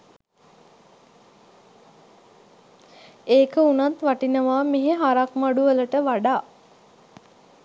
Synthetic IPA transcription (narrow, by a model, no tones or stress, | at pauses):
eːkəunat̪ʋaʈinəʋaːmeɦeɦaɾakmaɖuʋələʈəʋaɖaː